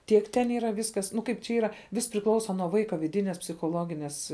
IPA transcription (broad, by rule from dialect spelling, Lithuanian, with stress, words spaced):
ˈtʲiɛk tʲɛn ˈiːrɐ ˈʋʲɪskɐs ˈnʊ ˈkɐɪp t͡ʃʲɛ ˈiːrɐ ˈʋʲɪs pʲrʲɪˈklˠɐʊsɐ nuɔ ˈʋɐɪkɐ ʋʲɪˈdʲɪnʲeːs pʲsʲɪxoːˈlˠoːɡʲɪnʲeːs